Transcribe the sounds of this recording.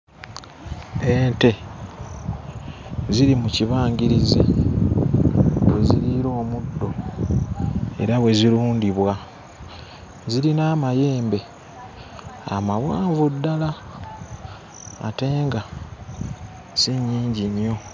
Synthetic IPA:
ente̞ | ziɾimuciβaːɲɟiɾizḛ | we̞̰ziɾiɾo̞ːmudːo̞ | e̞̰ɾaβwe̞ziɾuːndiβwa | ziɾinaːmaje̞ːmbe̞ | a̰mawaːɱvudːala | te̞ːŋɡa | siɲːiːɲɟiɲjo̞

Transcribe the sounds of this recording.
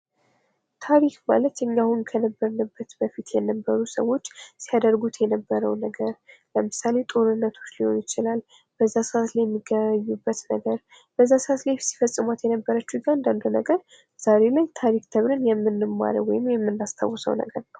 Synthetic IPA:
t̪ʰaɾikma̰lət̪ʔɨɲːahunkʰənəbːəɾnɨbːət̪bəfit̪jɛnəbːəɾusə̰wo̞t͡ʃːsijad̪əɾɡut̪jɛnəbːəɾəwnəɡəɾləmɨsale̞t̪ʼo̞ɾɨnːət̪ʰo̞t͡ʃːliho̞̰njɪt͡ʃɪlal | b̥əzːasɨʔat̪lajɛmːiɡəβɲːubːət̪nəɡəɾ | b̥əzːasɨat̪lajsi̥fəsʼːɨmat̪jɛnəbːəɾət͡ʃːuɡand̪and̪unəɡəɾ | z̥aɾe̞lajt̪ʰaɾikt̪ʰəβɾɨnjɛmːɨnːɨmːa̰ɾə̰wɔ̰jɪmjɛmːɨnːast̪ʰa̰wɔsə̰wnə̰ɡəɾnəw

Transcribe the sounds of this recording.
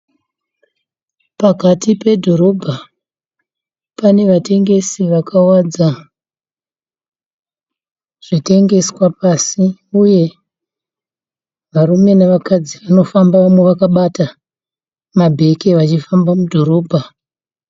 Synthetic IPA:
pakatipe̞dʱo̞ɾo̞bʱa | pane̞ʋate̞ŋɡe̞siʋakʰawad͡za | ʐ̥ite̞ŋɡe̞swapasiuje̞ | ʋarume̞naʋakad͡ziʋano̞fambaʋamweʋakaɓata | mabʱe̞keʋat͡ʃifambamudʱo̞ɾo̞ːbʱa

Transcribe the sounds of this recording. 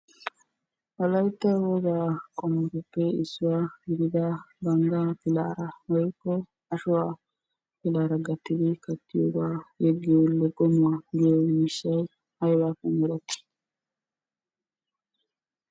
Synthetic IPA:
wɐlɐjt̪ːɐwɔɡaːkʼɔmːɔɾɔpːɛɪsːʊwaɡɪɾɪd̪ɐbɐŋɡapɪla̰ːɾɐwɔjkːɔ | ɐʃʊwaː | pɪlaːɾɐɡɐt̪ːɪd̪ɪkɐt̪ːɪjoːbaːjɛɡːɪjolːɛɡɔmʊwaɡɪjɔmɪʃːɐj | hɐjbaːkːɔmɛɾɐt̪ːɪ̥

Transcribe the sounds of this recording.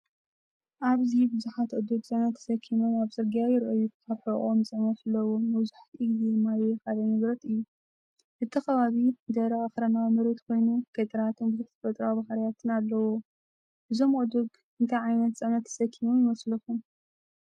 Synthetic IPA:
ʔaβzibɨzuħat̪ʔod̪uɡt͡sʼɨʕnɐt̪ʰːɐ̥sɐkʰːimɐnaβzɨɾɡjajɪɾʔojːukʰaβħɨʔʼomt͡sʼɨʕnɐt̪ɨlːɐwomɐβzuħt̪ʰʔiɡzid̪mːajjkalɐmɨβɾɐt̪ʼɨjːu | ʔɨt̪ʰːɨxɐβaβid̪ɐɾɐaxɾɐnawmɨɾɐt̪kʰo̞jnuɡ̥ɐt̪ʼɐɾat̪ʰɨnbɨzuħt̪ʰɐ̥fɐt̪ʼɾawbahaɾjat̪ʰɨnalːɐwo | ʔɨzo̞mod̪uɡ | ɨnt̪ʰɐʕajnɐt̪t͡sʼɨʕnɐt̪ʰːɐ̥sɐkʰːimomjɪmɐslɐxum

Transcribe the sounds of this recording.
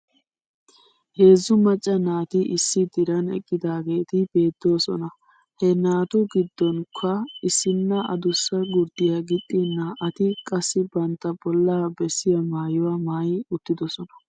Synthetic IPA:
he̞ːzːʊmɐt͡ʃʼːɐnaːt̪ɪʔɪsːɪd̪ɪɾɐnɛ̰kʼːɪd̪aːɡe̞ːt̪ɪb̥e̞ːd̪ːo̞ːsɔ̰nɐ | hɛnaːt̪ʊɡɪd̪ːɔnkʰːɐɪsɪnːɐɐ̰d̪ʊsːɐɡʊɾd̪̥ɪjɐɡɪt̪ʼːɪnːɐʔɐt̪ɪkʼɐsːɪbɐnt̪ːɐbɔlːaːbɛsːɪjɐmaːjʊwamaːjɪʊt̪ːɪd̪ɔsɔnɐ̥

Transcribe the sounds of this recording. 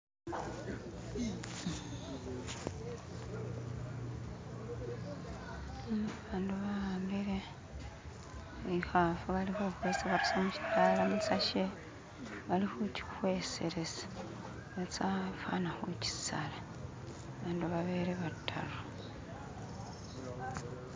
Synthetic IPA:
aβaːnduβambiɾe | ixafuβalihoxweːsaβapusamuʃi̥taːlamut͡saʃe | βalixuci̥xweːseɾesḁ | βet͡safa̰naxuci̥sala | βaːnduβaβeːɾeβatʰːalo

